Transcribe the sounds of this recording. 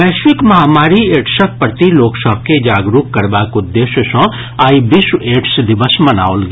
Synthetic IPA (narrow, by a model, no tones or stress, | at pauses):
bɛːʃwɪkmɐɦaːmaːɾieːʈsək̚pəɾt̪iloːksɔːb̚ked͡ʒaːɡɾuːkkɐɾbaːkʊd̪ːeːʃəsɔ̃ː | aːibɪseːʈsd̪ɪʋəsmɐna̰ːolɡ